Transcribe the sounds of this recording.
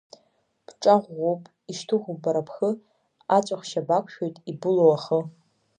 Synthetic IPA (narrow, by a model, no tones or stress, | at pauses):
b̥ʈ͡ʂʼaʁʷːowpʼ | iʃtʰɨʁʷʊbaɾapʰxə | at͡ʃʷʼaχʃabakʷʰʃᶣo̞jtʼibulowaχə